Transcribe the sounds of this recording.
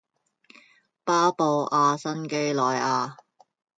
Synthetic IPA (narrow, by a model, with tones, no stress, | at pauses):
paː˥po˨˧wʔaː˧sɐ˥nke˥jlɔː˨jaː˧